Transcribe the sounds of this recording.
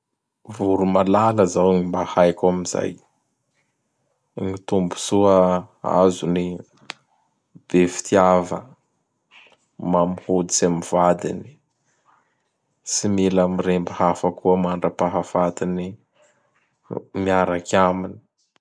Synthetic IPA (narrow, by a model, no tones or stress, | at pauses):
vuɾumalaləzawŋimbahajkʲamiza̰j | ŋit̪umbu̥suəa̰zuni | b̥efi̥t̪ʰiavə̰ | mamihud̪it͡samivad̪ḭni̥ | similamiɾembihafəkuəmaɳɖ͡ʐəpaɦafat̪ini | miaɾakʰamini̥